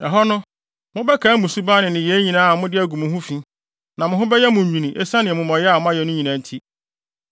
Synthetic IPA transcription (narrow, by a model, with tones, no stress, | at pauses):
ɛ˨ɦɔ˦nʊ̃˦ | mʊ̃˦bɛ˦kʰa˨˦mʊ̃˨su˦ba˦nɪ̃˨nɪ̃˨jɛ˨˦ɲĩ˨nãː˦a˨mʊ̃˦dɪ˦æ˦ɡũ˨mũ˨ɦũ˦fĩ˦ | nã˨mʊ̃˨ɦʊ̃˦bɛ˦jɛ˦mʊ̃˨m̩˨mĩ˨nĩ˨ʔe˦sa˦nɪ̃˨ɛ˨mʊ̃˨mɔ̃˨jɛ˦a˨mʊ̃˦a˦jɛ˨nʊ̃˦ɲĩ˨nã˨n˦tʰi˦